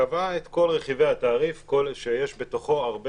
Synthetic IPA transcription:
avaet̪ko̞lʁe̞χivejat̪aːʁifkolʃejeʃbe̞t̪o̞χo̞aʁb

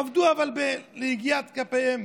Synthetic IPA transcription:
avd̪uavalbeleiɡijat̪kapehem

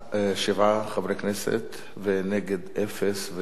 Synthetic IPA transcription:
ʃɪvaχavɾɛknɛsɛ̰t̪ | vɪnɛɡɛd̪ɛfɛsvɪ

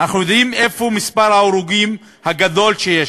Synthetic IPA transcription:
naχnujo̞d̪ʔime̞fomispaʁhaoɾuɡim | haɡad̪o̞lʃeje

